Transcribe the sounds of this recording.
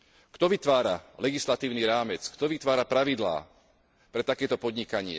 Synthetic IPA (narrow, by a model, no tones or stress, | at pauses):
kt̪ɔʋit̪ʋaːɾalɛɡislat̪iːʊniɾaːmɛt͡skt̪ɔʋit̪ʋaːɾapɾaʋid̪la̰ː | pɾɛt̪akɛːt̪ɔpɔd̪ɲikaɲɪɛ̰